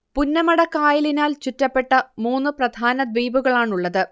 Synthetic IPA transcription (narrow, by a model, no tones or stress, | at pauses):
punːɐmɐɽɐkːaːjɐlinaːlt͡ɕutːɐpːe̞ʈːɐmuːnːɨprɐd̪ʱaːnɐd̪ʋiːbuɣɐɭaːɳuɭːɐðɨ